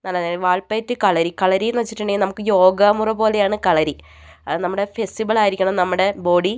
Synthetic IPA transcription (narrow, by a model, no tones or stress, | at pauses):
nɐlːɐeʋaːɭpɐːtːɨkɐɭɐɾikɐɭɐɾijunɨʋɐt͡ɕːi̥ʈːuɳɖeŋːnɐmukːɨjo̞ːɡɐmurɐbo̞ːle̞jaːɳɨkɐɭɐɾi | ɐnɐmːuɽe̞fesʈiʋɐɭaːjiɾikʲːuɳɐmnɐmːuɽe̞bo̞ːɽi